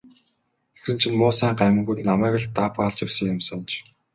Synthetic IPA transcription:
exsɘ̆n̥t͡ɕʰĭnmʊːsæːɴɢæm̆ʲŋɡujɮnamæːkə̆ɮt̪apaːɮt͡ɕɪwsĭkɪmsə̆nt͡ɕ

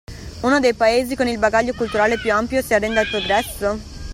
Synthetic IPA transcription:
unod̪ejpaeːzikonilbaɡaʎːokult̪uɾaːlepjuampjosiarːɛnd̪ailpɾoɡɾɛsːo

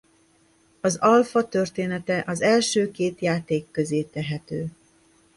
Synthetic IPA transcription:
ɒzɒlfɒt̪ø̞rt̪eːnɛt̪ɛʔɒzɛlʃøːkeːt̪jaːt̪eːkːøzeːt̪ɛɦɛt̪øː

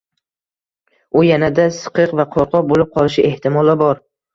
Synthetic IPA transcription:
ʊjanad̪asɨ̥qɨqvaqʰɒɾqɒbolɪp̚qʰɒlˠɪʃɪʔe̞ht̪ʰɪmɒlˠabɒɾ

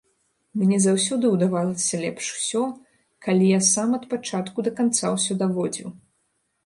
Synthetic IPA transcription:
mnʲɛzawsʲɔd̪ɨwd̪avalˠɐsʲɐlʲɛpʂu̥sʲɔ | kalʲijasamɐt̪̚pat͡ʂat̪kud̪ɐkant̪sa̰wsʲɔd̪avɔd͡zʲḭw

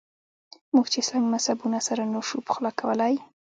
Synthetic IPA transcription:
muɡt͡ʃesaŋɡmashabunasaɾanoʃupxlakawəlaj

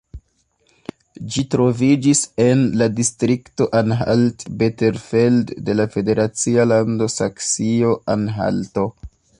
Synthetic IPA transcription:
d͡ʒitɾo̞vid͡ʒise̞nladistɾikto̞ʔanɦa̰ltbeteɾfeldde̞lafe̞de̞ɾʔat͡sialando̞saksio̞ʔanɦa̰lto̞

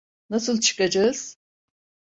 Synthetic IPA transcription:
nasɯlˠt͡ʃʰɯ̥kad͡ʒaɯz̥

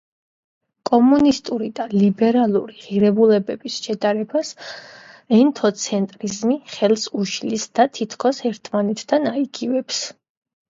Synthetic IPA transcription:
kʼɔmunist̪ʼuɾid̪alibɛɾalˠuɾiʁiɾɛbulɛbɛbisʃɛd̪ʼaɾɛbas | ɛnt̪ʰɔt̪sʰɛnt̪ʼɾizmiχɛlˠsuʃlisd̪̥at̪ʰit̪ʰkʰɔsɛɾt̪ʰmanɛt̪ʰd̪ʰanaiɡivɛps

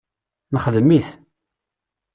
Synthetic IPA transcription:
nəχðmiθ

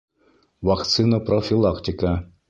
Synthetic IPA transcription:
vakt̪sɨnəprofʲilˠakt̪ʲɪkə

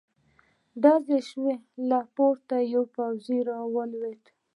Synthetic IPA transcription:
ɖ̪ɑzeʃwelɑpoɾt̪ajawpawziɾɑwəlweʈ̪

